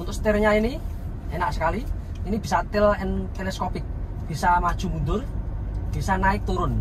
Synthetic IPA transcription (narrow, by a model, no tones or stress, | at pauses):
unt̪ʊst̪irɲaini | enaʔsə̥kaliː | nib̥isat̪ɪlɛnt̪elɛskopɪk̚ | b̥i̤samad̥ʒ̥ṳmund̪ʊrb̥i̤sanaɪk̚t̪uɾʊn